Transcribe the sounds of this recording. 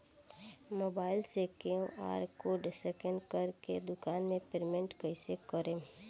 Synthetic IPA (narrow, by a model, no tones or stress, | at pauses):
moːbaːɪlsekeõʔa̰ːɾkoɖsɛkə̃ɳɖkəɾkḛd̪ʊkaːnmẽpeɾmẽɳʈkəisekəɾẽː